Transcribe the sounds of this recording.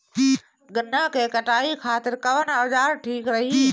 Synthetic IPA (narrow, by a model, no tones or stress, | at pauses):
ɡɐnəkʰeːkɐʈaːikʰaːt̪ɪɾkɐʋənaːzaːɾʈʰiːkɾɐɦiː